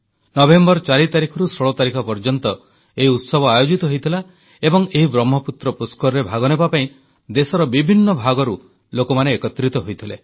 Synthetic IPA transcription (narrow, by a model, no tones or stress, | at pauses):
nɔbʱembɔɾt͡ʃaɾit̪aɾikʰɔɾusɾɔɭɔt̪aɾikʰɔpɔɾd͡ʒɔnt̪ɔ | eɦiut̪sɔbʱɔajod͡ʒit̪ɔɦojt̪ʰila | ebɔŋeɦibɾɔmːɔput̪ɾɔpuskɔɾɾebʱaɡɔnebapaĩ | d̪esɔɾɔbibʱinːɔbʱaɡɔɾu | lokɔmaneːkɔt̪ɾit̪ɔɦojt̪ʰile